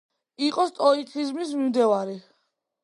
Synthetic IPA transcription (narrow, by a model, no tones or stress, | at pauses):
iqʼɔst̪ʼɔitʰizmis̬mimd̪ɛvaɾi